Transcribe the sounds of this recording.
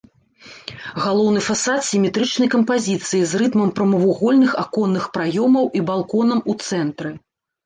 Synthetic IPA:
ɣalˠɔwnɨfasat̪sʲimʲɛt̪ɾɨt͡ʂnɐjkɐmpazʲit̪sɨjizrɨt̪mɐmpɾɐmɐvuɣɔlʲnɨxakɔnːɨxpɾajɔmɐwibalˠkɔnɐmut̪sɛnt̪ɾɨ

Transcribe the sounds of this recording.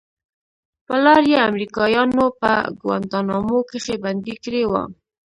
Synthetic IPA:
pəlɑɾjeamɾikɑjɑnopə̰ɡwa̰nd̪ɑnɑmokeχeband̪ikɾewa̰

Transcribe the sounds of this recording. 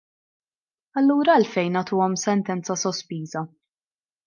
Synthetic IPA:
ɐlːuːɾɐlfɛjnɐt̪uːɔmsɛnt̪ɛnt͡sɐsɔspiːzɐ

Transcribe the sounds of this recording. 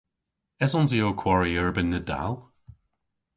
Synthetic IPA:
ɛsɔnzioːkʰw̥ɔɹiəɹbənːəda̰lˠ

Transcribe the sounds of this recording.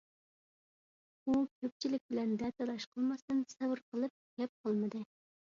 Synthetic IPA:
ukʲʰøp̚ʲt͡ʃʰilɪk̚ʲbɪlɛnd̪ɛt̪ɛlˠɑʃqʰəlˠmɑst̪ɨnsɛbɨɾqəlˠɨp̚ɡʲɛp̚qʰɑlˠmɨd̪ɨ

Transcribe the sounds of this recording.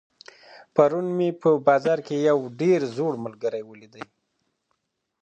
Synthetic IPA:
paɾunmepəbɑzɑɾkejawɖeɾzoɽməlɡəɾajwəlid̪əj

